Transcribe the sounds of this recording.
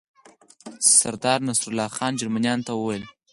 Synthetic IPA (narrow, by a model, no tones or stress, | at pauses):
saɾd̪ɑɾnasɾʊlɑxɑnd͡ʒaɾmanjɑnt̪awəwajl